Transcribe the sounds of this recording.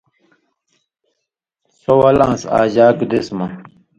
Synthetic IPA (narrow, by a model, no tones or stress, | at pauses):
sowɐlãːnsa̰ːʑaːkd̪esmɐ